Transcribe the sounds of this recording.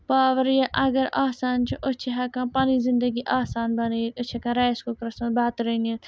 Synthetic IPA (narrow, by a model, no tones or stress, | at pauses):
paːʋəɾjaʔɐɡəɾaːsaːnt͡ʃʰuʔʊt͡ʃʰiɦɐkãːpɐnizɪ̃nd̪əɡiʔaːsaːnbɐneʊt͡ʃʰekãɾaːskoːkɾɐsmɐbaːt̪ɾɐnet̪